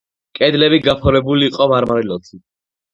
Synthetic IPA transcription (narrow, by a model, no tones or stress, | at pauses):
kʼɛd̪lɛbiɡapʰɔɾɛbuliːqʼɔmaɾmaɾilɔt̪sʰi